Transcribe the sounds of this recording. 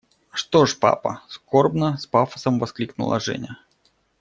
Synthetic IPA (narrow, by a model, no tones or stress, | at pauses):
ʂt̪oʂpa̰pəskorbnəspafə̥səmvɐsklʲiknʊ̰lˠɐ̰ʐɛ̰nʲɪ